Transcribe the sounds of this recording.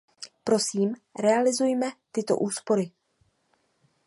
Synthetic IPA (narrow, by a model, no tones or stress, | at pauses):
pɾo̞siːmɾɛalɪzujmɛt̪ɪt̪o̞̰ʔuːspo̞ɾɪ